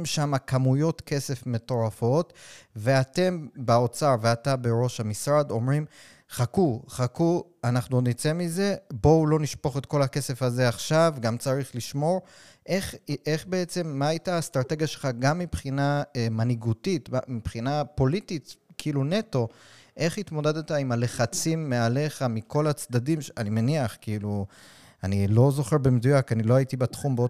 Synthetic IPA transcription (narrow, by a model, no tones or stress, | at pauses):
mʃamakamujo̞tke̞se̞fme̞to̞ʁafo̞tve̞ate̞mbao̞t͡saʁveatabeʁo̞ʃhamisʁad̪o̞mʁim | χakuχakuanaχnunit͡se̞mize̞bo̞ulo̞niʃpo̞χetko̞lhake̞se̞faze̞aχʃavɡamt͡saʁiχliʃmo̞ʁ | ʔeχe̞χbeet͡se̞mːaajtaːst̪ʁate̞ɡjaʃelχaɡamːipχinaemaniɡutita̰mipχinapo̞lititkiilune̞to̞ʔe̞χitmo̞dedot̪aimale̞χat͡simːeale̞χamikʰo̞lat͡sd̪adimʃanimeniaχkiilu | anilo̞zo̞χeʁbemedujakanilo̞aitibatχumbeo